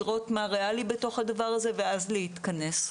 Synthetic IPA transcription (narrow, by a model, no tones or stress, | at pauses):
ʁo̞tmaʁealibe̞to̞χhadavaʁaze̞ve̞azleit̪kɐne̞s